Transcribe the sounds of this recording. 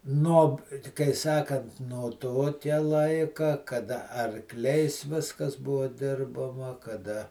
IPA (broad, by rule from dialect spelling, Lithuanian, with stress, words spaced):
nuɔp kɐɪ ˈsɑːkɐnt noː ˈtoːkʲɛ ˈlˠɐɪkɐ kɐˈdɐ ɐrˈklʲɛɪs ˈʋʲɪskɐs ˈbʊʋoː ˈdʲɪrbɐmɐ kɐˈdɐ